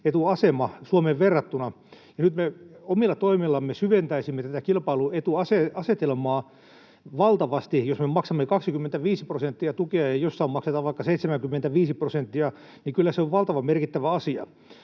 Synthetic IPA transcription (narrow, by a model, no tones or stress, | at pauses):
et̪uɑsemɑsuomeʋʋerːɑt̪ːunɑ | jɑnyt̪meomilːɑt̪oimilːɑmːesyʋent̪æisimːet̪æt̪ækilpɑiluet̪uɑseɑset̪elmɑː | ʋɑlt̪ɑʋɑst̪ijosmemɑksɑmːekɑksikymːent̪æʋiːsiprosent̪ːiɑt̪ukeɑjeijosːɑimɑkset̪ɑʋʋɑikːɑseit̪semæŋkymːent̪æʋiːsiprosent̪ːiɑ | nikylːæseoʋʋɑlt̪ɑʋɑmmerkit̪ːæʋæɑsiɑ̰